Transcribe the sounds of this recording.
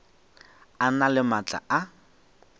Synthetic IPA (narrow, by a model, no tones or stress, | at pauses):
analɪmat͡ɬʼa̰ʔa